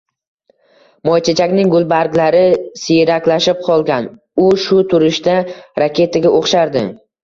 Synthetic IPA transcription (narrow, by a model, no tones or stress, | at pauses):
mɒjt͡ʃʰat͡ʃʰakʲnɪŋɡʊlˠbaɾɡʲlaɾɪsɪjɾakʲlaʃɪp̚qʰɒlˠɡʲan | ʊʃʊt̪ʰʊɾɪʃt̪aɾakʲʰe̞t̪ʰaɡʲaʔoχʃaɾd̪ɪ̰